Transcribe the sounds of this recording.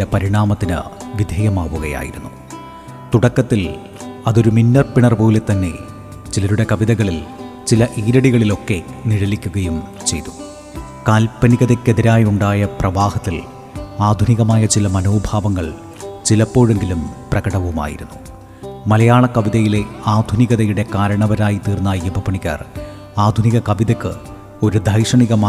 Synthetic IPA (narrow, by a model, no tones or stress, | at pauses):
depɐɾiɳaːmɐt̪ːinɨ̰ʋid̪ʱeːjɐmaːʋuɣɐja̰ːjḭɾunːu | t̪uɽɐkːɐt̪ːil | ɐðo̞ɾuminːɐrpiɳɐrpo̞ːle̞t̪ːɐnːe̞̰ | t͡ɕilɐɾuɽe̞kɐʋiðɐɣɐɭilt͡ɕilɐʔiːɾɐɽiɣɐɭilo̞kːe̞niɻɐlikʲːuɣɐjum | t͡ɕe̞̰jt̪u̥ | kaːlpɐniɣɐðekːeðiɾaːjuɳɖaːjɐprɐʋaːhɐt̪ːil | aːd̪ʱuniɣɐmaːjɐt͡ɕilɐmɐno̞ːbʱaːʋɐŋːɐɭ | t͡ɕilɐpːo̞ːɻe̞ŋɡilumprɐɣɐɽɐʋuma̰ːjḭɾunːu | mɐlɐjaːɳɐkɐʋiðɐjile̞aːd̪ʱuniɣɐðɐjuɽe̞kaːɾɐɳɐʋɐɾaːjit̪iːrnːaebʱɐpɐɳiɣa̰ːr | aːd̪ʱuniɣɐkɐʋiðɐkːɨ | o̞ɾud̪ʱɐjʂɐɳiɣɐmaː